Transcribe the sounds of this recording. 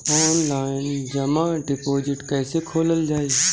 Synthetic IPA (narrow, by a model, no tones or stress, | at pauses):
ɔːnlaːɪnd͡ʒɐmãɖɪpoːd͡ʒɪʈkɛːsekʰoːləld͡ʒaːeː